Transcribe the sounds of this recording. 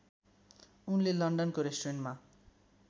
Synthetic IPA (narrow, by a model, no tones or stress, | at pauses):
unlelʌɳɖʌnkoɾesʈreɳʈma